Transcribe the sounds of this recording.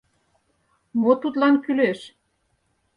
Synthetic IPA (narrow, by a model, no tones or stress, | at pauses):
mot̪ut̪lɑnkyleʃ